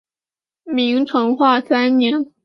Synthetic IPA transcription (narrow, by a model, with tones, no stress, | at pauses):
mi˧˥ŋʈ͡ʂʰɤ˧˥ŋxwa˥˩sa˥nnjɛ˧˥n